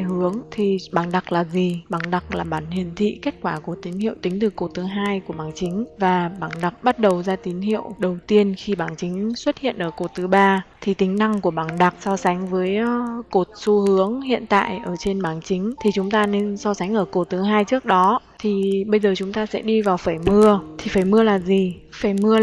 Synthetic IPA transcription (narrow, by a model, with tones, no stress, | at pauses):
hɨ˨˦əŋt̪ʰi˨˩ɓaː˧˩nɗa˨˩k̚laː˨˩zi˨˩ɓaː˧˩nɗa˨˩k̚laː˨˩ɓaː˧˩nhi˨˩ənt̪ʰḭ˧˨ke˦˥t̚kwaː˧˩ku˧˩ət̪i˨˦nhḭ˧˨əwt̪ï˨˦ŋ̟t̪ɨ˨˩ko˧˩t̪ɨ˨˦ɦaː˧jku˧˩əɓaː˧˩nt͡ɕï˨˦ŋ̟vaː˨˩ɓaː˧˩nɗa˨˩k̚ɓa˦˥t̚ɗə˨˩wzaː˧t̪i˨˦nhḭ˧˨əwɗə˨˩wt̪i˧ənxi˧ɓaː˧˩nt͡ɕï˨˦ŋ̟swə˦˥t̚hḭ˧˨ənʔəː˧˩ko˧˩t̪ɨ˨˦ɓaː˧t̪ʰi˨˩t̪ï˨˦ŋ̟na˧ŋku˧˩əɓaː˧˩ŋɗa˨˩k̚sɔ˧sa˨˦jŋ̟vəː˨˦jko˨˩t̚su˧˦hɨ˨˦əŋhḭ˧˨ənt̪a̰ː˧˨jʔəː˧˩t͡ɕe˧nɓaː˧˩nt͡ɕï˨˦ŋ̟t̪ʰi˨˩t͡ɕʊ˨˦ŋ͡mt̪aː˧ne˧nsɔ˧sa˨˦ŋ̟ʔəː˧˩ko˧˩t̪ɨ˨˦ɦaː˧jt͡ɕɨ˦˥ək̚ɗɔ˨˦ | t̪ʰi˨˩ɓə˧jzəː˨˩t͡ɕʊ˨˦ŋ͡mt̪aː˧sɛ̰˧˥ɗi˧vaː˨˩wfaː˧˩jmɨ˧ət̪ʰi˨˩faː˧˩jmɨ˧əlaː˨˩zi˨˩faː˧˩jmɨ˧ə